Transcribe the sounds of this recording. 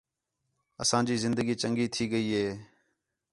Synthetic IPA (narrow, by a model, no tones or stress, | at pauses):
əsãːd͡ʒiːzɪnd̪əɡiːt͡ʃəŋɡiːt̪ʰiːɠəiːɦeː